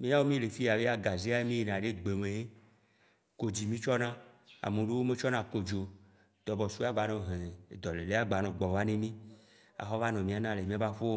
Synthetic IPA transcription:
mĩ˦a˦wo˦mĩ˦le˨fi˦˨a˨be˦a˦ɡa˨zi˦a˦e˦mĩ˦i˨nã˨ɖe˦ɡ͡be˨mẽ˨e˦ | ko˨d͡ʑi˨mĩ˦t͡ʃɔ˦nã˦a̰˨mẽ˨ɖe˦wo˦me˦t͡ʃɔ˦nã˦ko˨d͡ʒo˨ | t̪ɔ˨bɔ˨su˦a˦ɡ͡ba˨nɔ̃˨ɦẽ˨e˨d̪ɔ˨le˨le˦a˦ɡ͡ba˨nɔ̃˨ɡ͡bɔ˨va˦nẽ˦mĩ˦ | a̰˨xɔ˦va˦nɔ̃˨mĩ˦a˦nã˦le˨mĩ˦a˦va˦ɸo˦

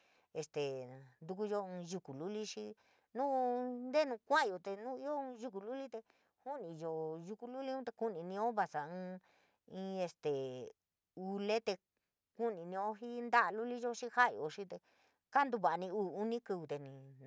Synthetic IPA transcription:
e˧st̪e˨nd̪u˧k̬u˧jo˧ɨ̃ː˧ʒu˧ku˨lu˦li˦ʂi˧ | nũ˦nd̪e˦nũ˧kʷã˦˧jo˧t̪e˧nũ˦i˦o˦˧ʒu˧˦k̬u˧lu˦li˦t̪e˧ | hu˦nĩ˧jo˧ʒu˧ku˧lu˦li˦ũ˦t̪e˧ku˦nĩ˧nĩ˧õ˦βa˧sa˨ɨ̃ː˧ | ĩ˧e˧st̪e˨ | u˧le˦t̪e˧ | ku˦nĩ˧nĩ˧õ˦ɦi˦nd̪a˦ʔlu˦li˦ʒo˦ʂi˦ha˦ʔjo̰˧˨ʂi˦t̪e˧ | ka˦nd̪u˧βa˨a˧nĩ˧uː˦˨u˦nĩ˦ku˧u˧t̪e˧nĩ˧

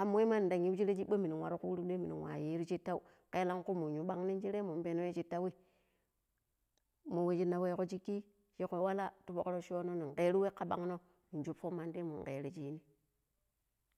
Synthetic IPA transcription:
a˨m˦e˦ma˦n˨da˨ŋi˦d͡ʒi˦ɾe˦d͡ʒi˦ɓo˦mi˨ni˨wa˨ɾu˦ku˦u˦ɾu˦de˦mi˨nḭ˨nwa̰˨ji˦ɾi˦t͡ʃi˦tːa˦u˦ | ke˦la˦ŋku˦mu˨ɲu˨ɓa˦ŋni˦nd͡ʒi˦ɾe˦mu˨m˦be˨no˦e˦t͡ʃi˦tːa˦wi˦ | mo˨we˦d͡ʒi˦na˨we˦ko˦d͡ʒi˦kːi˦ | ʃi˦ko˨˦wa˦la˦tu˦bo˨kɾo˦ʃo˦no˦ni˨ŋ˨ke˨˦ɾu˦we˦kːa˦ɓa̰˦ŋno˦ | ni˨d͡ʒu˦pfo˦ma˦nde˦mṵ˨ŋ˨kḛ˨ɾi˦d͡ʒi˦ni˦

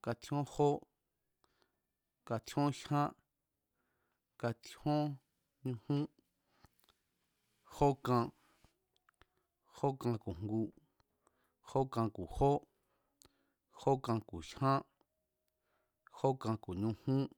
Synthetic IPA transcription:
ka˧t̪ʰjõ˦ho˦ | ka˧t̪ʰõ˦ʃhã˦ | ka˧t̪ʰõ˦ | ɲũ˧hũ˦ | ho˦kã˧ | ho˦kã˧ku˨ŋŋɡu˧ | ho˦kã˧ku˨ho˦ | ho˦kã˧ku˨ʃhã˦ | ho˦kã˧ku˨ɲũ˧hũ˦

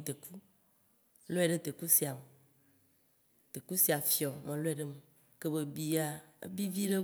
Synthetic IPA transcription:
t̪e˨ku˦ | lo˦e˨ɖe˦t̪e˨ku˦si˨˦a˨m˨ | t̪e˨ku˦si˨a˨fi˨ɔ˨mẽ˨lo˦e˨ɖe˦me˨ | ke˦be˦bi˦a˨ḛ˦bi˦vi˦ɖe˦

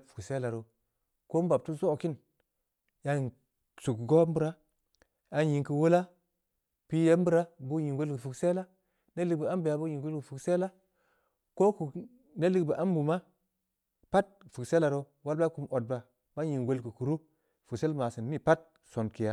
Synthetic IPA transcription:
fu̥˨kse˦la˨ɾo˨ | ko˦m˦ba˨b̚tu˦zo˦˨ki˦n | ja˦˨ | su˨kɡo˦m˦bu˦ɾa˦ | a˨ji˨ŋki˨wu˦la˦ | pi˦ja˦m˦bu˦ɾa˦bu˦ji˨ŋwe˦lki˨fu˨kse˦la˦ | ne˦li˦k̚bi˨a˦mbi˨ja˨bu˦ji˨ŋɡe˦lki˨fu˨kse˦la˦ | ko˦ku˨ | ne˦li˦kba˨ʔa˦mbu˨ma˦ | pa˦t̚fu˨kse˦la˨ɾo˦ | wa˦lba˦ku˨mo˨t̚ba˨ | ba˦ji˨ŋwe˦lki˨ku˨ɾu˦ | fu˨kse˦lma˨si˨nmi˦pa˦t̚ | so˨nki˨ja˦

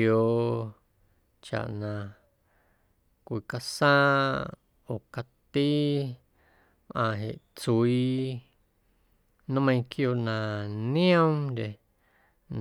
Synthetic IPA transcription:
o˨ | t͡ʃa̰˨ʔnã˨ | kʷi˨ka˧sãː˦ | oː˨ka˧t̪i˦ | mʔã̰ː˧ɦe˨ʔt͡suwiː˦ | nũ˦mə̃˧ĩ˧kʰjo˧˨nã˨nĩ˦õ˦mɾe˨ | n

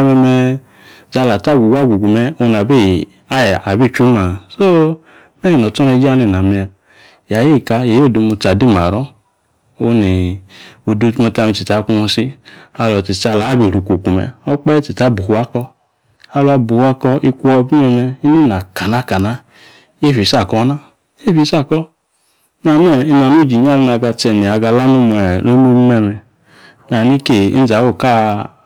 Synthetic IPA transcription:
mɛ˧mɛ˧ | t͡ʃa˧la˨ta˦˨ɡʷu˨ɡʷa˦˨ɡʷu˨ɡu˨mɛ˧o˧n˨a˨be˦˨ | a˦ja˨be˦˨t͡ʃu˦ma˨so˦ | mɛ˦ji˨n˨ɔ˨tɔ˦ne˧d͡ʒi˦a˦˨ne˨na˨mi˧a˨ | ja˨je˦˨ka˧je˨jo˦˨do˧mu˧t͡ʃa˨di˦˨m˨a˨ɾɔ˦ | o˧ne˨o˧du˧˦tu˦mɔ˧ta˧mi˧t͡ʃi˨ta˨˦ku˧mɔ˧si˦a˧lɔ˨ti˨t͡ʃa˧la˨˦be˨ɾu˨ku˨ku˨mɛ̰˨ɔ˦k͡pɛ˦t͡ʃi˨ta˦bu˨˦a˦kɔ˧ | a˧lu˦a˧bu˨ha˧kɔ˧i˧kʷu˦ɔ˧˦bi˦ɛ˧mɛ˧i˦ni˦na˨ka˨na˦˨ka˨na˦ | e˦fi˨sa˦˨kɔ˧˦na˦ | e˦fi˨˦sa˦˨kɔ˦ | na˨n˦ɛ˦˨i˧na˨nu˦˨d͡ʒi˨ɲ˦a˦˨lna˧ɡa˧t͡ʃɛ˧˨ni˨a˨˧ɡa˧la˦nu˧m˨ɛ˨ɾo˦no˦bmɛ˧mɛ˨ | na˨ni˦ke˦˨ḭ˦n̩˦za˨˦wo˦˨ka˦˨

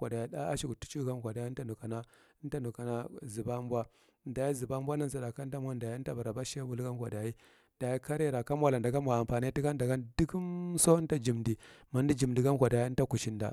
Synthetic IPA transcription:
a˨da˨i˦ɗa˦a˦ʃi˨ɡu˨tu̥˦t͡ʃu˦ɡa˦nkʷa˨da˨ji˦ta˦nu˨ka˨na˦ | nta˦nu˨ka˨na˦zi˨ba˦mbwa˦˨ | n˦da˨ja˦zi˨ba˦m˦bʷa˦na˦n˦za˨da˨ka˦ta˦m˦a˦nda˨ja˦ta˦ba˨ɾa˨ba˦ʃe˦bu˨lɡa˦nkʷa˨da˨ji˦ | da˨ji˦ka˦ɾe˦˨ɾa˨ka˦m˦a˨la˨nda˨ɡa˦mʷ˨a˨a˨mpa˨n˦i˦ti˦ɡa˦n˦da˨ɡa˦ndi˦ki˦mso˦nta˦d͡ʒi˨mdi˨ma˨n˦di˦d͡ʒi˨mdi˨ɡa˦nkʷa˨da˨ji˦ta˦ku˨ʃi˦nda̰˨

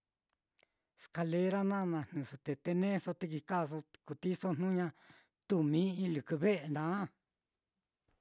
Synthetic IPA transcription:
ska˧le˧˦ɾa˦nã˦˧nã˧n̥ũ˨so˧t̪e˨˧t̪e˧nẽ˦so˧t̪i˧ki˧ka˦˨s̬o˧ku˨t̪i˦so˦n̥nũ˦ɲã˧ | t̪u˧mĩ˦ĩ˧lɨ˨kɨ˧βe˦ʔe˨nd̪ã˨˦

